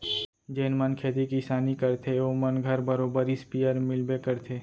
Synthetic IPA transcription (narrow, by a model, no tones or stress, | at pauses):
d͡ʒeːnmənkʰeːd̪ikisaːnikɐɾt̪ʰeomənɡʱəɾbəɾoːbəɾispijəɾmɪlbekəɾt̪ʰeː